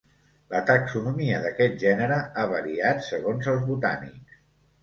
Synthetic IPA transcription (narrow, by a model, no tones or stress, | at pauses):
lət̪əksunumiəðəkɛt̪̚ʒɛnəɾəaβəɾiat̪səɣ̞onzəlˠzβut̪a̰nḭks